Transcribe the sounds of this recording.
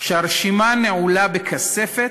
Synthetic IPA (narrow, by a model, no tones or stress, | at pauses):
ʃeaɾʃimaneʕulabekʰasefet